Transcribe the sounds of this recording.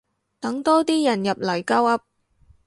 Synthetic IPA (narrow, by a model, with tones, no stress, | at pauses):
t̪ɐ˨˥ŋt̪ɔː˥t̪iː˥jɐ˨˩njɐ˨p̚lɐ˨˩jkɐ˥wɐ˧˥p̚